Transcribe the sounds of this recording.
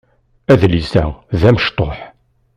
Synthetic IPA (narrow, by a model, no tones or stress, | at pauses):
æðlisæ̰ðæməʃt̪ˤoħ